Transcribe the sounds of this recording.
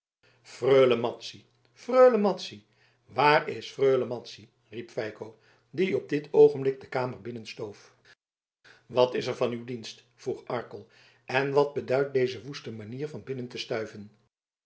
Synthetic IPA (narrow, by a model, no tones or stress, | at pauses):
frøːləmɑtsi | frøɥləmɑtsi | ʋaːrɪsfrøɥləmɑtsi | ripfɛjkow | diɔb̚dɪtʰowχənblɪk̚dəkaːməɹbɪnənstowf | ʋɑtɪsəɹvɑnywdinst | fruχɑɹkəlˠ | ɛnʋɑd̚bədœɥt̚dejzəʋustəmaniːɹvɑnbɪnəntəstœɥvən